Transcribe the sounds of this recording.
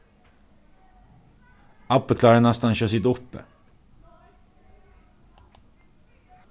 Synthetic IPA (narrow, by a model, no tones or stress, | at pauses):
ɑpəkʰlɑːɾənɑst̪ɑnçøsɪt̪ʊpːə̰